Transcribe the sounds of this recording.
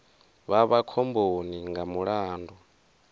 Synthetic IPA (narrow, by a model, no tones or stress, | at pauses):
βaβakʰɔmboniŋɡamuɺaːndɔ